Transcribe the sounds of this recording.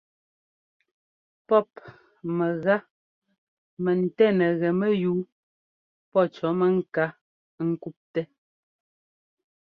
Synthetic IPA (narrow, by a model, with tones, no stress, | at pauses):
pɔ˦˨p̚ | mɛ˨ɣa˦ | mɛ˨n̩˨tɛ˦˨nɛ˨ɣɛ˨mɛ˦juː˨˦ | pɔ˦˨t͡ʃɔ˨˦mɛ˨ŋ̩˦ka˦ | ŋ̩˦ku˦p̚tɛ˦